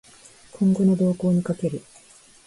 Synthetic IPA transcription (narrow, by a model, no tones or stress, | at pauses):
kʰõ̞ŋɡo̞no̞d̪o̞ːko̞ːɲ̟ikake̞ɾɯ̟